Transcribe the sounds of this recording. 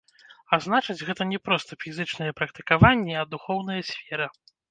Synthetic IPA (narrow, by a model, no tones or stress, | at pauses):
aznat͡ʂɐd͡zʲɣɛt̪ɐnʲɛpɾɔst̪ɐfʲizɨt͡ʂnɨjɛpɾɐk̚t̪ɨ̥kavanʲːɛɐd̪uxɔwnɐjɐsʲfʲɛɾɐ